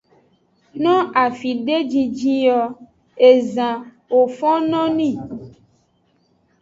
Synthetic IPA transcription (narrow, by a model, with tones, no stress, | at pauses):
nɔ̃˦a˨fi˨ɖe˦d͡ʒi˨d͡ʒi˦jɔ˨ | e˨zã˨ | wo˨fɔ̃˦nɔ̃˦nĩ˦˨